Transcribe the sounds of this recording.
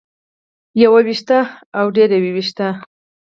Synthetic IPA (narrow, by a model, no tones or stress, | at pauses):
jawawiʃt̪aawɖeɾawiwiʃt̪a